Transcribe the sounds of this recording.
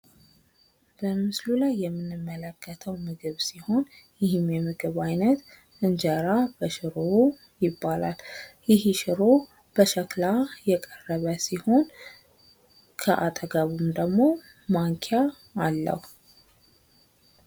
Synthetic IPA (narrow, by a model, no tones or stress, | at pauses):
b̥əmɨslulajːɛmːɨnːɨmːələkːət̪ʰəwmɨɡɨβsiho̞n | jɪhɨmjɛmɨɡɨβajnət̪ | ʔɨnd͡ʒəɾabəʃɪɾo | jɪbːala̰ljɪhʃɪɾo̞ | b̥əʃəklajɛkʼərːəβəsiho̞n | kʰəʔat̪ʼəɡaβumd̪əɡmo̞ | maŋkʰeaː | lːə̰hu